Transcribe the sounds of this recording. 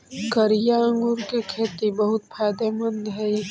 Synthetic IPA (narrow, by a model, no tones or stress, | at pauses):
kəɾjaə̃ŋɡʊɾkekʰeːt̪ibəɦʊt̪̚pʰaːd̪emə̃nd̪ɦɛi